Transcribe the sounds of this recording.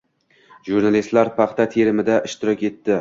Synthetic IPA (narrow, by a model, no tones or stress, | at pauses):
ʒuɾnalist̪laɾpʰɑχt̪ʰat̪ʰe̞ɾɪmɪd̪aʔɪʃt̪ʰɪɾɒkʲe̞t̪ːɪ